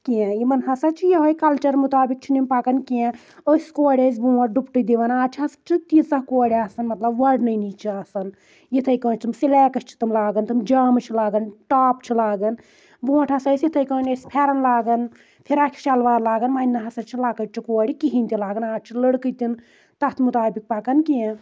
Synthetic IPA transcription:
kiɛ̃imɐnɦɐsɐt͡ʃʰijɐɦojkɐlt͡ʃɐɾmut̪aːbik̚t͡ʃʰinimpakɐnkiɛ̃ | əsʲkoːɽʲɐzʲbuːʋɐʈ̚ɖupʈɨd̪iʋɐnaːt͡ʃʰiɦɐst͡ʃʰit̪isɐkoːɽiaːsɐnmɐt̪lɐbʋɐɖnɐjnit͡ʃʰiaːsɐn | jit̪ʰɐjkɐ̃ːnt͡ʃʰimsilɛːkɐst͡ʃʰi̥t̪ɐmlaːɡɐnt̪ʰɐmd͡ʒaːmt͡ʃʰilaːɡɐnʈaːpt͡ʃʰilaːɡɐn | bũːwɐʈʰɐsɐsjit̪ʰɐjkɐːnɐsʲpʰɛːɾɐnlaːɡɐn | pʰiɾakʲʰi̥t͡ʃɐlʋaːɾlaːɡɐnmaːinːɐɦɐsɐt͡ʃʰilaːkɐʈt͡ʃʰikoːɽʲikiɦinʲt̪ilaːɡɐnaːt͡ʃʰilɐɽkɨt̪in | t̪ɐt̪ʰmut̪aːbik̚pɐkɐnkijẽ

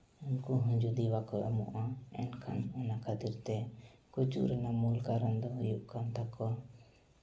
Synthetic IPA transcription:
unkuɦũɲd͡ʒud̪iwakɔʔamṵʔaɛ̰nkʰa̰nɛnakʰad̪iɾt̪ɛkut͡ʃṵɾɛnamulkaɾənd̪ɔɦujuʔkant̪ʰakɔ

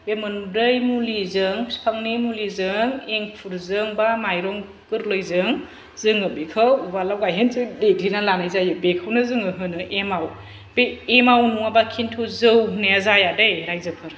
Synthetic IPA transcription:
bemɯnbɾɯjmulizɯŋspʰaŋnimulizɯŋeŋpʰuɾzɯŋbamajɾɔŋ | kɯɾlojzɯŋ | zɯŋɯbekʰɯwbalawɡajɦenzɯdeɡlinalanajzajɯbekʰawnɯzɯŋɯɦɯnɯʔemaw | b̥eːmawnuŋabakʰintʰuzɯwneazajadejɾajzɯpʰɯɾ

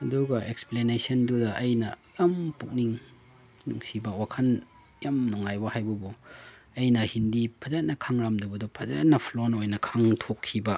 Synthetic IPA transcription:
ɐduɡɐeksplenesɐndudɐʔɐjnɐjɐmpuk̚niŋ | nṵŋsibɐwakʰɐn | jamnɔŋajbɐhajbɐbu | ɐjnɐhindipʰɐzat̚nɐkʰaŋɾamdɐbɐdupʰɐza̰tnɐpʰlonojnɐkʰaŋtʰokʰːibɐ

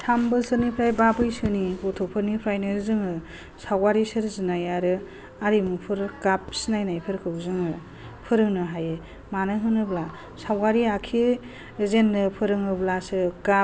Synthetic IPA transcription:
sʰambɯsɯɾnipʰɾajbabɯjsɯnibotʰopʰɯɾnipʰɾajnɯɾzɯŋɯ | sawɡaɾisɯɾzɯnajaɾɯ | aɾimupʰɯɾkap̚sinajnajpʰɯɾkʰɯwzɯŋɯ | pʰɯɾɯŋnɯɦajɯ | manɯɦɯnɯbla | sawɡaɾiakʰi | zenːɯpʰɯɾɯŋɯblasɯka

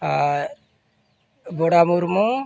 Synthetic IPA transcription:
boɽamuɾmũ

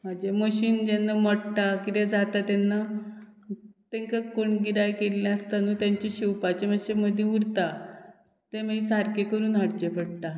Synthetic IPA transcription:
m̤ad͡ʑeməɕiːnd͡ʑanːaməɽt̪akit̪ed͡zat̪at̪enːa | t̪ẽŋkakoɳɡiɾajkelːãəst̪anuːt̪jaɲt͡ɕeɕiwpat͡ɕeməɕeməd̪ʱjeuɾt̪a | t̪eməsaɾkekəɾuːnɦəɽt͡ɕepəɽt̪a

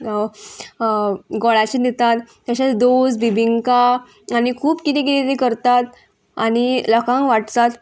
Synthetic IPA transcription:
ɡɔɭat͡ɕinet̪at̪ːaɕat͡sd̪osbibiŋka | añikʰuːpkit̪ĩk̬it̪et̪ikəɾt̪at̪ | aɽ̃iləkʰãŋkʋaʈt̪at̪

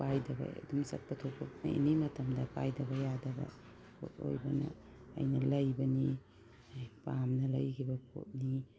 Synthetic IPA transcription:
pajdɐbɐ̰duŋsɐ̰t̚pɐtʰopʰok̚na̰ḭnimɐtʰɐmdɐpajdɐbɐjadɐbɐ̰ | pʰo̰t̚o̰jbɐnɐ̰ːjnɐlɐjbɐni | pamnɐlɐ̰jkʰibɐpʰo̰t̚ni

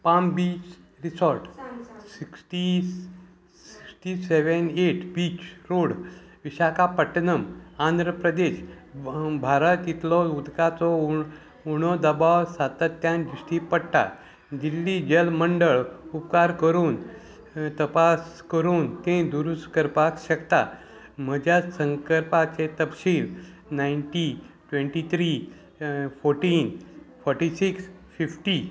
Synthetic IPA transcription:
pambiːt͡ʃ | ɾisɔɾʈsiksʈi | ssi̥ksʈiseʋəneʈʰbiːt͡ɕɾoɽʋiɕakapəʈːnəmand̪ʱɾəpɾəd̪eɕ | bʱaɾət̪it̪lɔud̪kat͡sɔ | uɽ̃ɔd̪əbawsat̪ət̪ːjãnd͡ʒisʈipəɽʈ̪a̰ | dilːid͡ʑəlməɳɖəɭupkaɾkəɾuːn | t̪əpas | kəɾuːnt̪ẽd̪uɾuskəɾpakɕəkt̪a̰ | m̤əd͡ʑjasə̃ŋkəɾpat͡set̪əpɕiːl | naiɳʈiʈʋẽɳʈit̪ʰɾi | pʰoɾʈiːnfʰɔɾʈisiksfifʈi

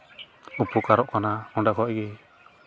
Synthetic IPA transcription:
upukaɾɔʔkanaɔnɖakɔaʔɡɛ

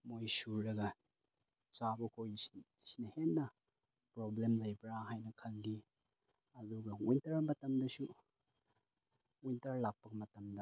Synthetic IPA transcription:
mojsuɾɾɐɡɐ | t͡ʃabɐkʰoj | sinɐhenːɐ | pɾoblemlɐjbɾaɦajnɐkʰɐlɡi | ɐduɡɐujntɐɾɐmɐtɐmdɐsu | ujntɐɾlak̚pɐɡɐmɐtɐmdɐ

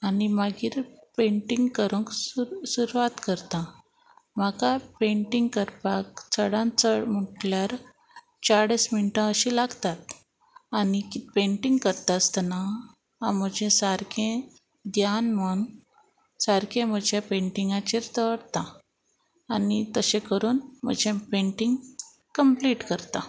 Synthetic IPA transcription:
animaɡiːɾpẽɳʈiŋɡkəɾũkssuɾʋat̪kəɾt̪ã | makapeɳʈiŋɡ̚kəɾpakt͡səɽãnt͡səm̤əʈljaɾ | t͡saɽesminʈə̃əɕilaɡt̪at̪̚ | anikpẽɳʈiŋɡkəɾt̪ast̪əna | a̰m̤əd͡ʑẽsaɾkʰẽ | d̪janməɳ | saɾkʰẽm̤əd͡ʑjapẽɳʈiŋɡãt͡ɕiɾt̪əʋəɽt̪aː | nit̪əɕẽkəɾuːnm̤ə̰d͡ʑẽpeɳʈiŋɡ | kəmpliːʈkəɾt̪a

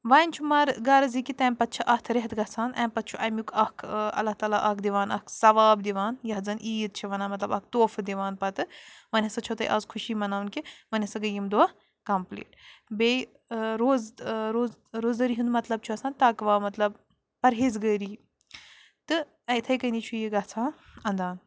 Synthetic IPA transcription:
ʋaːnʲt͡ʃʰumaɾɡaːɾɐzikit̪ɐːmpɐt̪̚t͡ʃʰɐʔɐht̪ʰɾeɦt̪ɡɐsaːnʔɐ̃ːmpɐt̪̚t͡ʃʰuʔɐmjukɐkʰɐ̰lːɐht̪aːlaːʔɐkʰd̪iʋaːnɐ̰ksɐʋaːbd̪iʋaːnjɐɦzɐnʔiːt̪̚t͡ʃʰiʋɐnaːmɐt̪lɐbɐk̚ʰt̪oːfɨd̪iʋaːnpɐt̪ɨʋɐnʲɐsɐt͡ʃʰot̪ɐjʔa̰ːzkʰuʃiːmɐnaːwnkiʋɐnʲɐsɐɡɐjimd̪ua | kɐmplḭːʈbej | ɾoːzɾoːzɾoːzd̪ɐɾiːɦũnd̪mɐt̪lɐb̚t͡ʃʰuɐsaːnt̪aːkʋaːmɐt̪lɐb | pɐɾɦeːzɡəːɾiː | t̪ɨ | ɐ̃t̪ʰɐjkɐniːt͡ʃʰujiɡɐt͡sʰaːnɐ̃nd̪aːn

